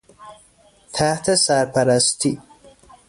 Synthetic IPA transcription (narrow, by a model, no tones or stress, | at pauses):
t̪ʰaht̪ʰasaɾpaɾast̪i